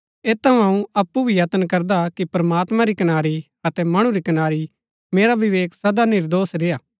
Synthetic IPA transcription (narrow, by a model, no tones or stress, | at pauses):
eːt̪ɐũɦɐũɐpːubʱijɐt̪ənkɐɾd̪akipɾɐmaːt̪mãɾikɐnaːɾi | ɐt̪ɛmɐɽ̃ũɾikɐnaːɾi | meːɾaʋɪʋeːksɐd̪anɪɾd̪oːsɾeːaː